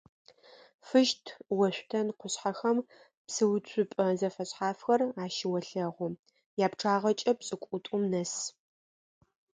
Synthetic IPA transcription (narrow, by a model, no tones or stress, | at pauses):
fɨʃtʰwɐɕʷtʰɐnqʷʊɕħaxɐm | psɨwt͡ɕʷʰʼʊpʼɐzɐfɐɕħaːfxɐraːʃɪwɐɬɐʁʷʊ | jaːpʈ͡ʂʰaːʁɐt͡ʃʼɐpsʼɨkʷʼʊtʷʼʊmnɐs